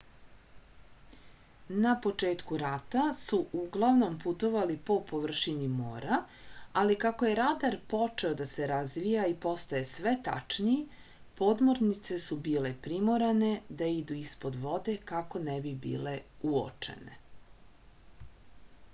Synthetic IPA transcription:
napo̞t͡ʃe̞ːt̪kuɾat̪asuʔuɡlˠaʋno̞mput̪o̞ʋalipo̞po̞ʋr̩ʃinimo̰ːɾa | alikako̞je̞ɾad̪aɾpo̞t͡ʂe̞o̞d̪ase̞ɾazʋijaipo̞st̪aje̞sʋe̞t̪a̰t͡ʃniː | po̞d̪mo̞ɾnit̪se̞subiːle̞pɾimo̞ɾane̞d̪aid̪uispo̞d̪ʋo̞d̪e̞kako̞nebibḭːle̞uo̰t͡ʃe̞̰nḛ

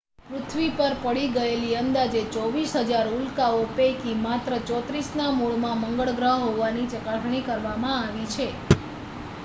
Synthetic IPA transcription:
pɾʊt̪ʰʋipəɾpəɽiɡəeliənd̪ad͡ʒet͡ʃɔʋisɦəd͡ʒaɾulkaopejkimat̪ɾət͡ʃɔt̪ɾisnamuɭmãməŋɡəɭɡɾəɦɦoʋanit͡ʃəkaʈɳ̃ikəɾʋamãaʋit͡ʃʰe

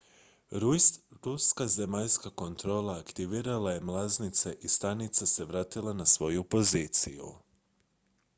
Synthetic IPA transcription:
ɾuskaze̞maʎskako̞nt̪ɾo̞ːlˠaːkt̪iʋiːɾalaje̞mlˠaznit̪se̞ʔist̪anit̪sase̞ʋɾaːt̪ilˠanasʋo̞jupo̞ziːt̪sḭjṵ

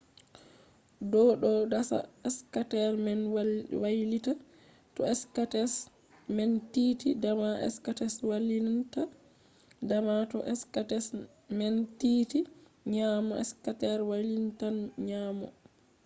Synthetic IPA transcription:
dɔɗɔdasa̰ɛskatɛɾmɛnwwajlita | tɔɛskatɛs | mɛntitidamaʔɛ̰skatɛswalinta | damatɔʔɛskatɛs | mɛntiti | ɲamɔɛ̰skatɛɾwajlintanɲaːmɔ̰

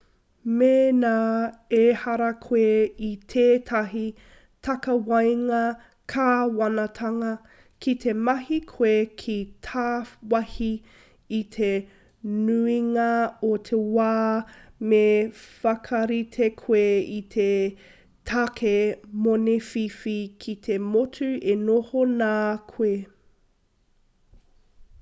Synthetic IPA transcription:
meːnaːehɐɾɐkʰweitʰeːtʰɐɦi | tʰɐkɐwɐjŋɐ | kʰaːwɐnɐtʰɐŋɐ | kʰitʰemɐhikʰwekʰitʰaːwɐhiː | tʰe | nuiŋɐotʰewaːmefɐkʰɐɾitʰekʰweitʰe | tʰakʰemonefifikʰit̪ʰemotʰʉenohonaːkʰwe

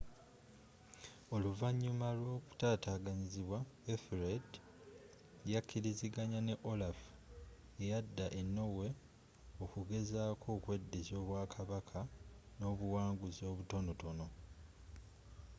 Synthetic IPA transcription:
o̞luvaɲːumalwo̞ːku̥taːtaːɡaɲiziβwaefɾed | jakʰːiɾiziɡaɲane̞ʔolaf | e̞jadːaʔenːo̞we̞ | o̞kuɡe̞zaːkʰo̞ːkwe̞dːezo̞ːβwaːkʰaβakʰano̞ːβuwaːŋɡuzo̞ːβuto̞no̞to̞no̞

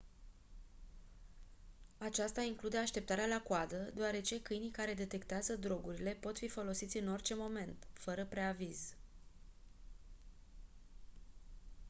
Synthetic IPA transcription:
at͡ʃast̪aiŋklud̪e̞aʃt̪e̞p̚t̪aɾealakwad̪əd̪eoaɾe̞t͡ʃe̞kɨjnikaɾe̞d̪e̞t̪e̞kt̪eazəd̪ɾo̞ɡuɾile̞po̞t̪fifo̞lo̞sit̪sʲɨno̞rʲt͡ʃe̞mo̞me̞nt̪fəɾəpɾeaviz̥

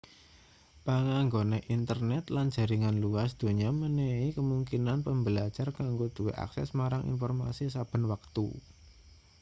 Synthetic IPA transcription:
pəŋaŋɡoneʔint̪ərnɛt̪land̥ʒ̥a̤ɾiŋanluasd̪̥o̤ɲaməneikəmuŋkinanpəmbəlḁd͡ʒ̥arkaŋɡod̪̥ṳweʔa̰ksɛ̰smaɾaŋḭnfɔrma̰sisab̥ə̤nwak̚t̪ṵ

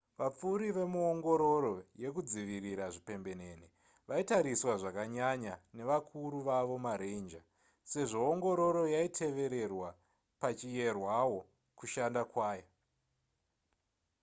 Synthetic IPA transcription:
ʋap͡fuɾiʋe̞muoŋɡo̞ɾo̞ɾo̞je̞kud͡ziʋiriɾaʐipe̞mbe̞ne̞ne | ʋaitaɾiswaʐakaɲaɲane̞ʋakʰuɾuʋaʋo̞maɾend͡ʒa | se̞ʐo̞ːŋɡo̞ɾo̞ɾo̞jaitʰe̞ʋe̞ɾe̞rwa | pat͡ʃije̞rwawo̞ | kuʃandakwaːja

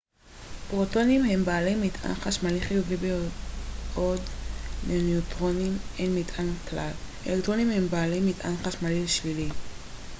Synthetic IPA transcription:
bʁoto̞nimhe̞mbaːlejmitʰʔa̰nχaʃmaliχiudibe | odmeniutʁo̞nimenmitʔanklal | ʔḛlektʁo̞nimhembaːlejmitʔa̰nχaʃmalilʃvili

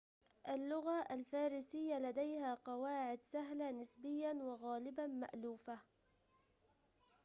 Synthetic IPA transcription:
ʔalːʊɣaʔalfaːɾɪsɪjːalad̪ajhaːqɑwaːʕɪd̪saɦlanɪsbɪjːanwɪɣaːlɪbama̰ʔluːfa

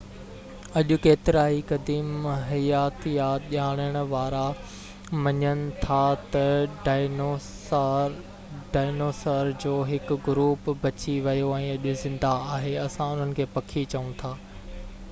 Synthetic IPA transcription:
ɐʄʊkeːt̪ɪɾaːɦikɐd̪iːmɦɐjaːt̪jaɗaːɽ̃əɽ̃ʊ̆ʋaːɾa | mɐɲəñɪ̆t̪ʰat̪ɐɖ | ɖaːɪnoːsəɾd͡ʑoːɦɪkʊɡʊɾuːpbʱɐt͡ɕiʋɐjoɛ̃ːɐʄʊzɪ̃nd̪aaːɦeɐsãʊn̤ənɪ̆kʰeːpɐkʰit͡ɕɐũt̪ʰaː

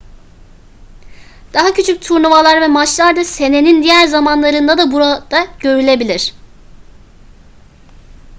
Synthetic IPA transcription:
d̪̥aɦacʰyt͡ʃʰyc̚t̪ʰuɾnuvalˠaɾvɛmat͡ʃlˠaɾd̪ase̞ne̞nind̪ijæɾzamanlˠaɾɯnd̪ad̪abuɾad̪̥aɟ̥ø̞ɾylʲe̞bilʲiɾ̝̥

